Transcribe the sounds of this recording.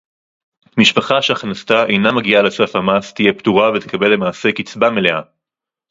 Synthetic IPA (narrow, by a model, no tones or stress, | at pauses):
miʃpaχaʃeaχnastaʔḛjnamaɡialesafamast̪ije̞ptuʁavet̪ekabe̞lːe̞maːse̞kit͡sbamele̞a